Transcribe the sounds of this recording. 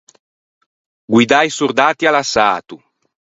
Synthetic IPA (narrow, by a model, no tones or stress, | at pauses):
ɡwid̪ajsuɾd̪aːt̪ialasaːt̪u